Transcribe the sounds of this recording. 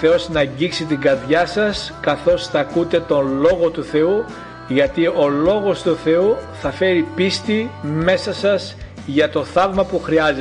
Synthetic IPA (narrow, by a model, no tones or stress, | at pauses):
θeo̞snɐɲɟiksit̪iŋɡɐɾðʝɐsɐskɐθo̞sθɐkut̪e̞t̪o̞nlo̞ɣo̞t̪uθe̞u | ʝɐt̪io̞lo̞ɣo̞st̪uθe̞uθɐfe̞ɾipist̪ime̞sɐsɐs | ʝɐt̪o̞θɐvmɐpuxɾiɐze